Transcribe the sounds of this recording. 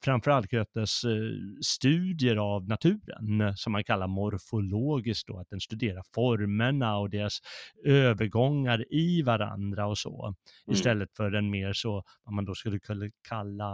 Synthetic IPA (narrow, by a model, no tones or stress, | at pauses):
fɾamfœɾalt̪̚kʰɾøt̪ːəsː | t̪ʉ̟ːd̪jəɾavnat̪ʰʉ̟ːɾə̰nsɔmːankʰalːaɾmɔɾfʊloːɡɪsk̚t̚d̪ɔ̰at̪̚d̪ɛnst̪ɵd̪eːɾaɾfɔɾməɳaɔd̪eːɾasøːvəɾɡɔŋːaɾɪvaɾa̰nd̪ɾaɔsɔ̰ɪst̪ɛlːət̪fœɾɛnmeːɾsɔ | vamand̪ɔskɵlːəkʰɵlːakʰalːa